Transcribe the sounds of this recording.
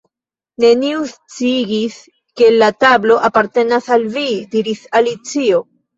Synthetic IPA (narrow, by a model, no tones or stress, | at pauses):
ne̞niust͡siɡis | ke̞latablo̞ʔapaɾte̞nasalvidiɾisalit͡sio̞